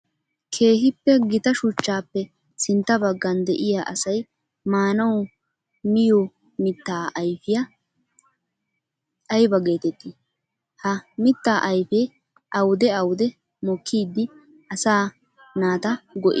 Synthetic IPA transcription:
kʰe̞ːɦɪpːɛɡɪt̪ɐʃʊt͡ʃːaːpːɛ | sɪnt̪ːɐbɐɡːɐnd̪ɛʔɪjaʔɐsɐj | maːnɐwʊ | mɪjɔ | mɪt̪ːaːʔɐjfɪjɐ | ɐjbɐɡe̞ːt̪ɛt̪ːɪ | hɐmɪt̪ːaːʔɐjfeː | ʔɐwʊd̪ɛɐwʊd̪ɛ | mɔkʰːiːd̪ːɪ | ɐsaː | naːt̪ɐɡɔʔɪ

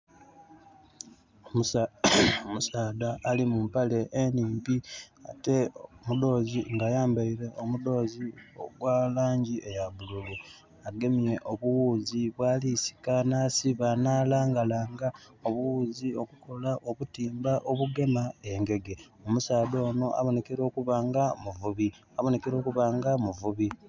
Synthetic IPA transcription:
omu | omusaːd̪aʔːlimumpale̞ʔeniːmpiate̞mudo̞ːziŋɡajaːmbaiɾe̞ʔomudo̞ːzio̰ɡwalaːɲɟiʔe̞jaβuluβu | aɡe̞mje̞ʔoβuwuːziβwaːlisi̥kanaːsiβanaːlaːŋɡalaːŋɡa | o̞βuwuːzio̞kuko̞laʔo̞βutiːmbaʔo̞βuɡe̞mae̞ŋɡe̞ɡe̞ | o̞musaːd̪o̞ːno̞ʔa̰βo̞ne̞keɾo̞ːkuβaːŋɡamuvuβi | aβo̞nekeɾo̞ːkuβaːŋɡamuvuβi

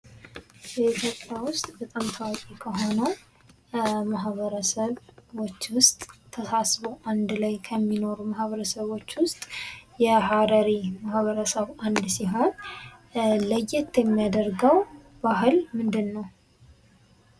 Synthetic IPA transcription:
jɛit̪ʰjo̞pʼːjawʊst̪ʼbət̪ʼamt̪ʰawakʼikʰəɦo̞nə | maɦβəɾəsəβo̞t͡ʃːwʊst̪ʼt̪ʰːəsasβoʔand̪lajkʰəmːino̞ɾumahβəɾəsəβo̞t͡ʃːwʊst̪ʼjɛɦadəɾimahβəɾəsəβʔand̪siɦat̪ | ləjːɪt̪jɛmːijad̪əɾɡəw | baɦɨlmɨnd̪ɨnːəw

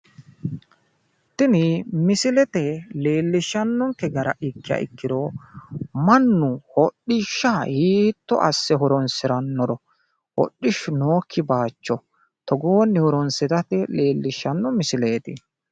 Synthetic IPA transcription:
t̪ːɪnɪmɪsɪlɛt̪ɛle̞ːlːɪʃːɐnːɔŋkɛɡɐɾɐ̰ʔɪkːɪjɐ̰ɪkːɪd̪ɔ | mɐnːʊhɔɗɪʃːɐhiːt̪ːɔ̰ʔɐ̰sːɛɦɔɾɔnsɪɾɐnːɔɾɔ | hɔ̰ɗːɪʃʊnoːkʰːɪbaːt͡ʃːɔ | t̪ɔɡoːnːɛhɔɾɔnsɪt̪ɐt̪ɛle̞ːlːɪʃːɐnːɔmɪsɪle̞ːt̪ɪ

